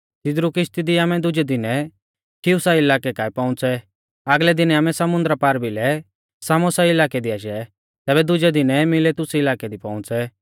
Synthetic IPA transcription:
t̪ɪd̪ɾukɪʃt̪id̪iaːmɛd̪ʊd͡ʒɛd̪ɪnɛ | kʰɪʊsaɪlaːkɛkaːipaːʊ̃t͡sɛ | aɡlɛd̪ɪnɛaːmɛ̃sɐmʊ̃nd̪ɾapaːɾbilɛ | saːmɔsaɪlaːkɛd̪iaːʃ̬ɛ | t̪ɛːbɛd̪ʊd͡ʒɛd̪ɪnɛmɪlɛt̪ʊsiɪlaːkɛd̪ipaːʊ̃t͡sɛ

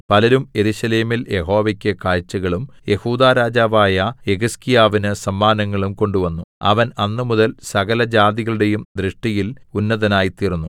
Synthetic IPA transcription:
pɐlɐɾumje̞ɾuːɕɐleːmilje̞ɦo̞ːʋɐkʲːɨkaːɻt͡ɕːɐɣɐɭumje̞huːd̪aːɾaːd͡ʑaːʋaːjɐeɣuskijaːʋinɨsɐmːaːnɐŋːɐɭumko̞ɳɖuʋɐnːuɐ̰ʋɐnɐnːɨmuðɐlsɐɣɐlɐd͡ʑaːd̪iɣɐɭuɽe̞jumd̪ɾɨʂʈijilunːɐðɐnaːjit̪iːrunːu

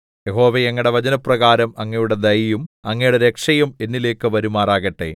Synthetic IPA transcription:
jeɦo̞ːʋeeŋːɐɽe̞ʋɐd͡ʑɐnɐprɐɣaːɾɐmɐŋːɐjuɽe̞d̪ɐjjumɐŋːɐjuɽeɾe̞kʂɐjume̞nːile̞ːkːɨʋɐɾumaːraːɣɐʈːe̞̰

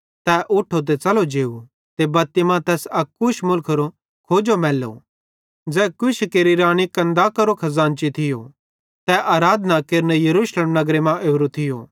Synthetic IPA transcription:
t̪ɛːʔʊʈʰːot̪̬et͡sɐlod͡ʒeːu | t̪ebɐt̪ɪmãt̪ɛːsɐkːʊʃmʊlkʰɾo | kʰoːd͡ʒomɛːlo̰ | d͡zɛːkʊʃkeːɾiɾaːɽ̃ikɐ̃nd̪akɐɾokʰɐzãːnt͡ʃit̪ʰɪjo | t̪ɛʔaːɾaːd̪ʱnakeːɾnejɐɾuːʃleːmnɐɡɾemãʔeːɾot̪ʰɪjo̰ː

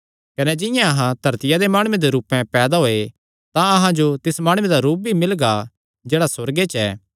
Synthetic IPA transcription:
kɐnɛd͡ʒɪ̃jãɐɦãd̪ʱɐɾt̪ɪjad̪emaːɽʊ̃ẽd̪eɾuːpɛ̃pɛːd̪aɦoːe | t̪ãɐɦãd͡ʒot̪ɪsmaːɽ̃ʊ̃ẽd̪aɾuːp̚bʱimɪlɡa | d͡ʒeːɽasɐɾɡet͡ʃɛ̰ː

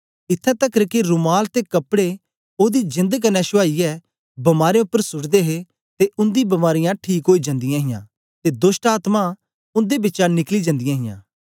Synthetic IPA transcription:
ɪt̪ʰːɛ̃t̪ɐkɾəkiɾʊmaːlt̪ekɐpɽe | oːd̪id͡ʒɪ̃nd̪əkənɛʃʊaːiɛ | bɐmaːɾeʊpːəɾsʊɽd̪eɦe | t̪eʔʊ̃nd̪ibɐmaːɾɪjãʈʰiːkɦoːid͡ʒɐ̃nd̪ɪjãːɦɪjã̰ː | t̪ed̪ʊsʈaːt̪mã | ʊ̃nd̪ebɪːt͡ʃanɪklid͡ʒɐ̃nd̪ɪjãɦɪjã̰ː

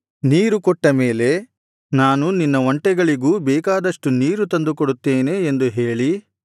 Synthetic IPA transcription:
niːɾukɔʈːɐmeːle̞ | naːnuninːɐʋɐɳʈɛɡɐɭiɡuːbɛːkaːd̪ɐʂʈuniːɾut̪ɐnd̪ukɔɽut̪ːeːne̞ːnd̪uɦe̞ːɭi

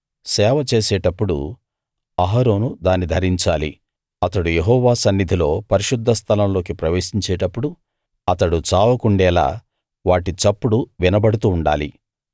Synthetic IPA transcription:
sɛːʋɐt͡ʃe̞ːsɛːʈɐpːuɽṵ | ɐɦaɾo̞ːnud̪aːnːid̪ʱɐɾiɲt͡ʃaːlḭ | ɐt̪ɐɽujeɦɔːʋaːsɐnːid̪ʱilo̞ːpɐɾiʃud̪ʱːɐst̪ʰɐlɐmlo̞ːkipɾɐʋe̞ːʃiɲt͡ʃɛːʈɐpːuɽu | ɐt̪ɐɽut͡ʃaːʋɐkuɳɖɛːla̰ː | ʋaːʈit͡ʃɐpːuɽuʋinɐbɐɽut̪uːɳɖa̰ːli

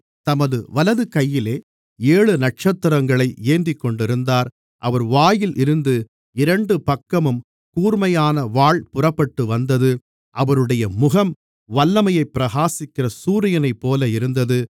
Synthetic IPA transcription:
t̪ɐmɐðɯʋɐlɐðɯkɐjːɪleː | eːɭɯnɐʈ̚t͡ʃɐt̪ːɪɾɐŋɡɐɭɐɪeːnd̪ɪkːɔɳɖɪɾɯnd̪aːɾ | ʔɐʋɐɾʋaːjɪlʔɪɾɯnd̪ɯ | ɪɾɐɳɖɯpɐkːɐmɯm | kuːɾmɐjaːnɐʋaːɭpʊrɐpːɐʈːɯʋɐnd̪ɐðɯ | ʔɐʋɐɾɯɽɐjɐmʊɣɐm | ʋɐlːɐmɐjɐɪpːɪɾɐɣaːsɪkːɪrɐsuːɾɪjɐnɐɪpːoːlɐɪɾɯnd̪ɐðɯ

